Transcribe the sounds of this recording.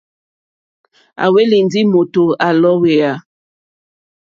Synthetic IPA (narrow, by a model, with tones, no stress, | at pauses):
a̰˨we˦li˨n˦di˦mo˨to˨a˨lɔ˦we˨a˨